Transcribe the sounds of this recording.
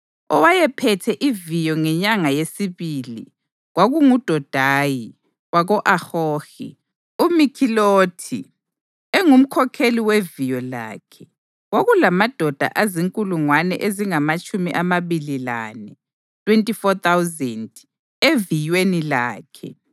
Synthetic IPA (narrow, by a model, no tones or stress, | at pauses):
ɔwajɛpʰɛtʰɛʔivijɔŋɛɲaŋajesiβilḭ | ɣwaɣuŋud̥ʱɔd̥ʱaːji | waɣɔʔaxoːxḭ | umikʰiloːtʰi | ɛŋum̩kʰɔkʰeliwevijɔla̰ːkʰɛ̥ | waɣulamad̥ʱɔd̥ʱa̰ʔaziŋkʼuluŋwanɛ̰ʔeziŋamat͡ʃʼumiʔamaβilila̰nɛ | tʰʼwentʼifɔt̪ʰawzɛnd | evijwenila̰ːkʰɛ